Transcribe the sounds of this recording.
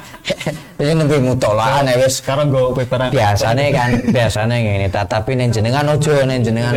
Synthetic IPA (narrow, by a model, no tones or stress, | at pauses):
iɲinəmpimut̪ɔlaanewɛskaɾoŋɡɔpepɾab̥iasanekaŋb̥iasaneŋinit̪at̪apinɛɲd͡ʒənəŋanod̥ʒ̥ɔ̤nɛɲd͡ʒənəŋan